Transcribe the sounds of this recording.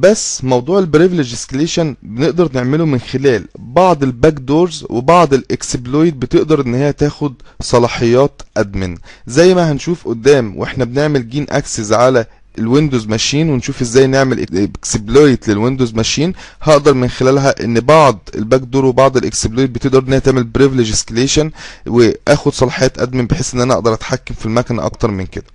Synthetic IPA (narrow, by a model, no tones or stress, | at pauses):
bæsːmɑwd̪ˤuːʕelbɾevleʒeskleːʃænbeneʔd̪ɑɾˤneʕmelomenxelæːlbɑʕd̪ˤelbækd̪oːɾzwʔḛbɑʕd̪ˤelʔeksblojd̪̚bet̪eʔd̪ɑɾˤʔenːhɪjːæt̪æːxod̪sˤɑlɑːħejːɑːt̪ʔæd̪mɪnzæjːmæhænʃuːfʔod̪ːæːmwʔeħnæbeneʕmelɡiːnʔæ̰ksezʕalæ | elwend̪ozmæʃiːnwenʃuːfʔezːæːjneʕmelʔkseblojt̪lelwend̪ozmæʃiːnhɑʔd̪ɑɾˤmenxelæːlɦæʔḛnːbɑʕd̪ˤʔḛlbæɡd̪uːɾwebɑʕd̪ˤelʔḛksebloːjt̪̚bet̪eʔd̪ɑɾˤʔenːhejːt̪eʕmelbɾivleʒeskeleːʃænweʔæːxod̪sˤɑlɑħejɑːt̪ʔæ̰d̪menbeħeːsʔenːʔænæʔɑʔd̪ɑɾˤʔæt̪ħakːæmfilmækænæ̰ʔɑ̰kt̪ɑɾˤmenked̪æ̥